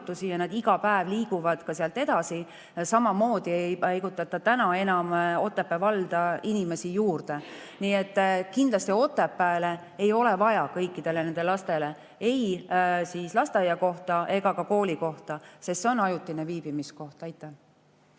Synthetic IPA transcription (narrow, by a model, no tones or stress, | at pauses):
t̪ːˑusijɑnɑd̪iɡɑpæevliːɡ̥uvɑd̪̥kɑseɑlt̪e̞d̪̥ɑsi | sɑmɑmo̞ːd̪̥iejpɑjɡut̪ːˑɑt̪ːˑɑt̪ænɑe̞nɑmo̞t̪ːˑepːevɑld̪̥ɑinime̞sijuːrd̪̥e̞ | niːe̞t̪ːkind̪lɑst̪io̞t̪ːˑepːæːle̞ | e̞jo̞le̞vɑjɑkɤjkːˑid̪̥e̞lene̞nd̪e̞lɑst̪e̞le̞ | e̞jsiːslɑst̪ejɑko̞ht̪ɑʔe̞ɡ̥ɑkɑko̞ːliko̞ht̪ɑsest̪seo̞nɑjut̪ːˑineviːb̥imisko̞ht̪ɑjt̪ːˑæh